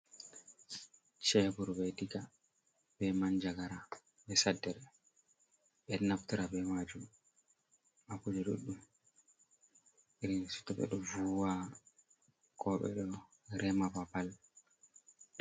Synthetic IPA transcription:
t͡ʃɛbuɾbɛdika | bɛmaɲd͡ʒaɡaɾa | ɓɛsadːɛɾ | ɓɛnaftiɾabɛmad͡ʒum | akud͡ʒaɗo̰ɗːum | ʔiɾinsu̥tːaɓɛ̰ɗɔvuwa | kʰɔɓɛ̰ɗɔ | ɾɛmapapal

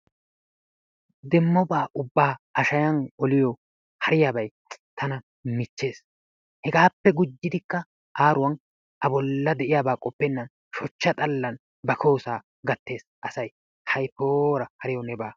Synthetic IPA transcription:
d̪ɛmːɔbaːʔʊbːaːʔɐʃɐjɐnɔlɪjɔ | hɐɾɪjaːbɐj | t̪ʰɐnɐ | mɪt͡ʃːe̞ːs | hɛɡaːpːɛɡʊd͡ʒːɪd̪ɪkːɐ | ʔaːɾʊwɐn | ʔɐbɔlːɐd̪ɛʔɪjaːbaːkʼɔpːɛnːɐn | ʃɔt͡ʃːɐt̪ʼɐlːɐn | bɐkʰoːsaː | ɡɐt̪ːe̞ːsʔɐsɐj | hɐjpoːɾɐhɐɾɪjɔnɛbaː

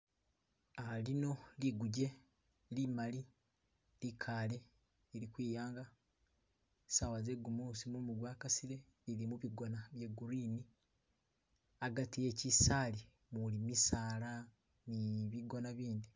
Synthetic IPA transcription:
alino̞liɡuɟe̞ | limali | likʰale̞ | iɾikwiːjaːŋɡa | sawaze̞ɡumuːsimumuɡwaːkasiɾe̞ | ilimuβiɡonaβjeɡuɾiːni | aɡatije̞cisali | mulimisaːla | niβiɡonaβiːnd̪i

